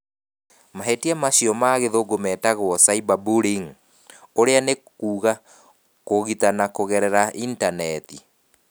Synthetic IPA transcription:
maɦetiamaɕiɔmaːɣeðoɡomɛːtaɣwɔsaibabuɾiŋ | oɾeane | kuːɣa | koɣitanakoɣɛɾɛɾaʔintanɛti

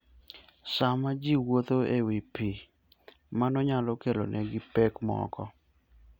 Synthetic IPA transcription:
samad͡ʒiwot̪oewipi | manɔɲalɔkelo̰nʔɛɡɪpekmɔ̰kɔ

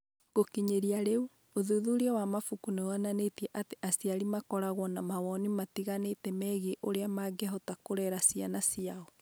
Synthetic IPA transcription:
ɣokiɲeɾiaɾeu | oðuðuɾeɔwamafukuneoananetiɛʔateʔasiaɾimakɔɾaɣwɔnamawɔnimatiɣanetɛmɛːɣeʔoɾeamaɡɛɦɔtakoɾɛɾasianasiaɔ

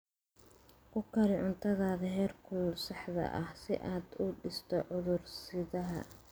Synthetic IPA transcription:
kʰʊkʰɐɾɪʕʊnt̪ʰɐðaːðɐɦɛːrkʰʊlsɑħðɐ̰ʔɐ̰hsɪ̰ʔaːd̪ʊɖɪst̪ʰɔʕʊðʊrsɪðɐɦɐ̰

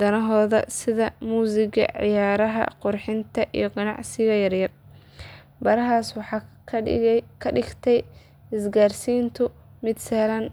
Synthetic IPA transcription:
d̪ɐnɐɦɔːðɐsɪðɐmuːsɪɣɐ̰ʕɪ̰jaːɾɐɦɐ̰qʊrħɪnt̪ʰɐʔḭjɔɡɐnɑ̰ʕsɪɣɐjɐrjɐr | bɐɾɐɦaːswɑħɑː | kʰɐɪɡt̪ʰɛj | ɪsɡaːrsiːnt̪ʰʊmɪd̪sɛlɐn

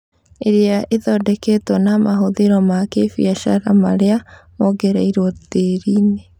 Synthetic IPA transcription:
eɾjaʔeðɔdɛketɔnamaɦoðeɾɔmakefjaʃaɾama̰ɾeamoɡeɾaiɾwɔteɾiːne

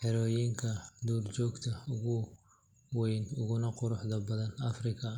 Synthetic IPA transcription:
ħɛɾɔjɪŋkʰɐd̪uːrt͡ʃɔːɡt̪ʰɐʊɣʊ | wɛjnʊɣʊnɐqʊɾʊħd̪ɐbɐðɐnɐfrɪkʰɐ

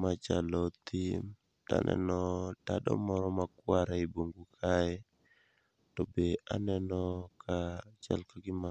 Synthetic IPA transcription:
mat͡ʃalɔt̪ʰim | ta̰nʔɛ̰nɔtadɔ̰mɔɾɔmakwaɾaiboŋɡukʰaɛ | tɔbea̰nɛnɔkʰat͡ʃa̰lkaɡɪma

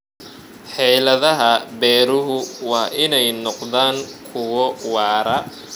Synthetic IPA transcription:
ħɛjlɐðɐɦɐbɛːɾʊɦʊwɑːʔɪnɛjnɔqðaːŋkʰʊwɔwɑːɾɐ

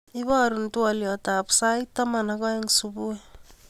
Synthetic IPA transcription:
iβoaɾuntualiotapsajtːamanaɡoeŋsubue

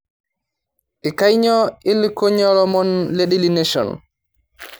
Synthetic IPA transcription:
ʔikajɲɔilkoɲɔɾɔmɔnleɗilineʃɔ̰n

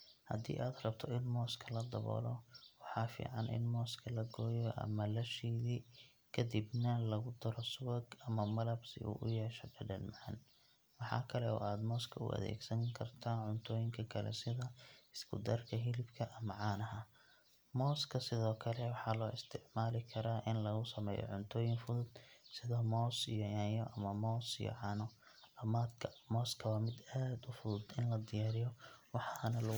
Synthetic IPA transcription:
hɐ̰d̪ḭːʔaːd̪rɐbt̪ʰɔɪnmɔːskʰɐlɐd̪ɐβɔ̰ːlɔwɑħɑːfḭːʕɑnʔɪ̰nmɔːskʰɐlɐɡɔːjɔʔɐ̰mɐlɐʃiːði | kʰɐd̪ibnɐlɐɣʊd̪ɐɾɔsʊwɐɡɐmɐmɐlɐbsɪ̰ʔṵːʔʊjɛːʃɔɡɐɖɐnmɑʕɑ̰n | wɑħɑ̰ːkʰɐlɛɔ̰ːʔaːd̪mɔːskʰɐʊ̰ʔɐ̰ðɛ̰ːɡsɐŋkʰɐrt̪ʰaːnʕʊnt̪ʰɔːjɪŋkʰɐkʰɐlɛ̰sɪðɐɪskʰʊd̪ɐrkʰɐɦɪlɪbkʰɐʔɐmɐʕɑːnɐɦɐ | mɔːskʰɐsɪðɔːkʰɐlɛwɑħɑːlɔːɪst̪ʰɪʕmaːlɪkʰɐɾaːʔɪnlɐɣʊsɐmɛːjɔ̰ʕʊnt̪ʰɔːjɪŋfʊðʊd̪sɪðɐmɔːsḭjɔjanjɔʔɐmɐmɔːsḭjɔ̰ʕɑːnɔ | lɐmaːd̪kʰɐmɔːskʰɐwaːmɪd̪aːd̪ʊfʊðʊd̪ɪnlɐd̪ɪjaːɾɪjɔwɑħɑnɐlɐ

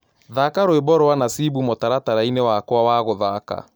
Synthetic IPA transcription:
ðaːkaɾoebɔɾɔwanasibumotaɾataɾainewakwawaːɣoðaka̰

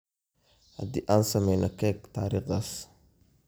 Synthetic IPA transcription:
ha̰d̪iːʔaːnsɐmɛjnɔkɛɡt̪aːɾiːχðaːs

